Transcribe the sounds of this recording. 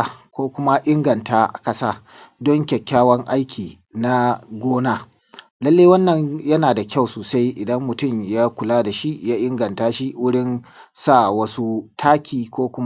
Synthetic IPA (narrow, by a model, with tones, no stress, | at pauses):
kʷoː˦kʷʊ˦ma˦ʔɪ˦ŋɡɐ˨ntaː˦ʔa̰˨kɐ˦saː˦dɔ˦ŋkʲɛ˨kʲːaː˦wɐ˦ŋʔa˦jkʲʰiː˨ | na˦ɡʷoː˦naː˦ | lɐ˦lːeː˦wɐ˦nːɐ˨ɲjɐ˦naː˨da˨kʲa˦˨wsoː˨sa˦jʔɪ˨dɐ˦mːʊ˨tʊ˦mjaː˦kʷʊ˨laː˦da˨ʃi˦jaː˦ʔɪ˦ŋɡɐ˨ntaː˦ʃi˦wʊ˦ɽɪ˦nsa˦˨wɐ˦su˦tʰaː˦kʲʰiː˨kʷoː˦kʷʊ˦m˦